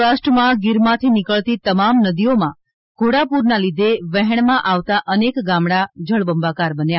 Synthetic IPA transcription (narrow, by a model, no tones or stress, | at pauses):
asʈɾəmãɡiɾmãt̪ʰinikəɭt̪it̪əmamnəd̪ijomã | ɡʱoɽapuɾnalid̪ʱeʋɛɦɛɳ̃mãʔaʋt̪aʔənekɡãmɽad͡ʒəɭbəmbakaɾbənja